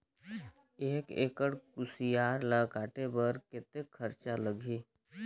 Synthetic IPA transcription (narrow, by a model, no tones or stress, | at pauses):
eːkḛːkəɽkʊsijaːɾlakaːʈebəɾkɪt̪ekʰːəɾt͡ʃaləɡʱi